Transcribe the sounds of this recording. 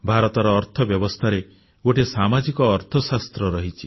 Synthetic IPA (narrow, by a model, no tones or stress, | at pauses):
bʱaɾɔt̪ɔɾɔːɾt̪ʰɔbjɔbɔst̪ʰaɾe | ɡoʈesamad͡ʒikɔːɾt̪ʰɔsast̪ɾɔɾɔɦit͡ʃʰi